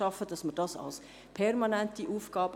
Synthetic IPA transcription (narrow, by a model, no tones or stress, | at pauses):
ɑfəd̥ɑsməɾd̥ɑsɑ̰ls | pʰɛɾmɑnæntiʔuːfɡ̥ɑːb̥